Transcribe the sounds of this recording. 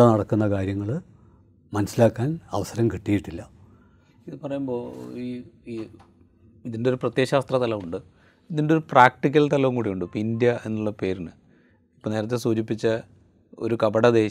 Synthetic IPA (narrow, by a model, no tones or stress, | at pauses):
anɐɽɐkːunːɐkaːɾjɐŋːɐɭ | mɐnɐsːilaːkːaːnɐ̰ʋɐsɐɾɐmkiʈːijiʈːilːɐ | iðɨpɐrɐjumbo̞ːiːi | iðindeo̞ɾuprɐt̪je̞ːɕaːst̪rɐt̪ɐlɐʋuɳɖɨ | iðindeo̞ɾupraːk̚ʈik̬ʲːɐlt̪ɐlɐʋuŋkuːɽijuɳɖɨpindjɐe̞nːuɭːɐpe̞ːɾinɨ | ipːoːneːɾɐt̪̬ːesuːd͡ʑipːit͡ɕːɐ | o̞̰ɾukɐbɐɽɐd̪e̞ː